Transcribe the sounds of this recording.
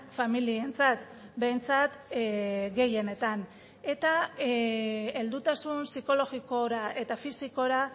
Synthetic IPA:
familie̞nt͡sat̪ | be̞jnt͡sat̪ | ɡe̞je̞ne̞t̪an | e̞t̪a | e̞ld̪ut̪asunsiko̞lo̞ɣiko̞ɾaʔe̞t̪afisiko̞ɾa

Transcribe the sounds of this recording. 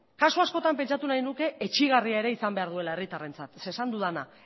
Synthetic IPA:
kasuasko̞t̪ampe̞nt͡ʃat̪unajnuke̞et͡ʃiɣ̞ariae̞ɾe̞isambe̞aɾðue̞lae̞rit̪are̞nt͡sat̪se̞ːsand̪uðana

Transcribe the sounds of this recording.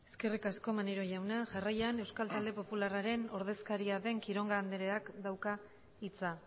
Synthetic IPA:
e̞̥ske̞rikasko̞maneɾo̞ʝawnaʝarajane̞wskalt̪ald̪e̞po̞pularaɾe̞no̞ɾð̞e̞skaɾiaðe̞ŋkiɾo̞ŋɡaːnd̪eɾe̞akd̪awka | it͡sa

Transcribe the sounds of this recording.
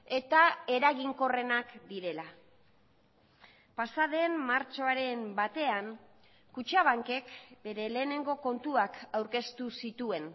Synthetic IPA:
e̞t̪ae̞ɾaɣiŋko̞re̞nakd̪iɾe̞la | pasaðe̞mmːaɾt͡ʃo̞aɾe̞mbat̪e̞an | kut͡ʃaβ̞aŋke̞kbe̞ɾe̞le̞ːne̞ŋɡo̞ko̞nt̪uakawɾke̞st̪usit̪ue̞n

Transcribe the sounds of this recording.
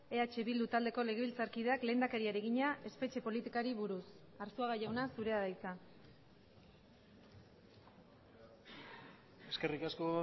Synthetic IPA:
e̞at͡ʃe̞βild̪ut̪ald̪e̞ko̞le̞ɣ̞e̞βilt͡saɾkið̞e̞akle̞ːnd̪ake̞ɾiaɾe̞ɣiɲaʔe̞spe̞t͡ʃe̞po̞lit̪ikaɾiβuɾus | aɾsuaɣaʝawnasuɾe̞aðajt͡sa | eske̞rikasko

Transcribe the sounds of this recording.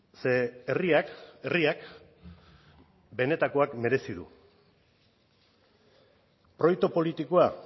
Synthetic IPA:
seriakeriak | be̞ne̞t̪ako̞akme̞ɾe̞siðṵ | pɾo̞jkt̪opo̞lit̪ikoa

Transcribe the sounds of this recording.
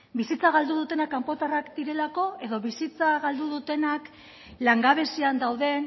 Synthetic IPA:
bisit͡saɣald̪uð̞ut̪e̞nakːampo̞t̪arakd̪iɾe̞lako̞e̞ðo̞βisit͡saɣald̪uðut̪e̞nak | laŋɡaβ̞e̞siand̪awðe̞n

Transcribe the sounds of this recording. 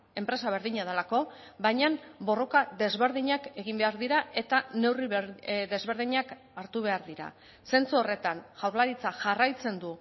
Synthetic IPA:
e̞mpɾe̞saβ̞e̞ɾðiɲað̞elako̞ | bajɲanbo̞ro̞kaðe̞zβe̞ɾðiɲake̞ɣimbeaɾðiɾaʔe̞t̪ane̞wriðe̞zβe̞ɾðiɲak | aɾt̪uβ̞e̞aɾðiɾa̰ | se̞nt͡suo̞re̞t̪anʝawɾlaɾit͡saʝarajt͡se̞nd̪u

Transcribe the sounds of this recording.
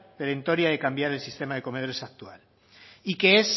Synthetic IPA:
peɾent̪o̞ɾjaðekambjaɾe̞lsist̪e̞maðe̞kome̞ð̞o̞ɾe̞sak̚t̪ua̰l | ike̞es

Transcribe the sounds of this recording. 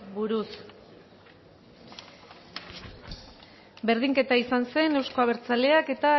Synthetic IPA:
buɾus | be̞ɾðiŋke̞t̪aisanse̞ne̞wsko̞aβ̞e̞ɾt͡sale̞ake̞t̪a

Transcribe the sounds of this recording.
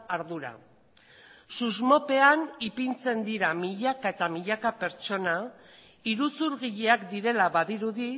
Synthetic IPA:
aɾðuɾa̰ | suzmo̞pe̞anipint͡se̞nd̪iɾamiʎakae̞t̪amiʎakape̞ɾt͡ʃo̞na | iɾusuɾɣiʎeakd̪iɾe̞laβaðiɾuði

